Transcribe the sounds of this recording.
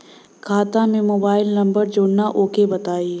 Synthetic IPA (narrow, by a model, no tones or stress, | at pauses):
kʰaːt̪ãmẽmoːbaːɪlnɐ̃mbəɾd͡ʒoːɽnaʔoːkebɐt̪aːi